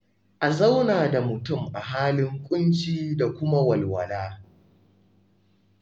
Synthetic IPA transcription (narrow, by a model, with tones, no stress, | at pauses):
ʔa˨za˦wnaː˨da˨mʊ˨tʊ˦mʔa˨ɦaː˦lɪ˦ŋkʷʼʊ˦nt͡ʃiː˦da˨kʷʊ˦ma˦wɐ˨lwɐ˨laː˦